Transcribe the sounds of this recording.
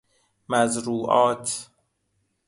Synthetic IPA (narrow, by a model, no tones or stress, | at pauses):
mæzɾuːʔɒːt̪ʰ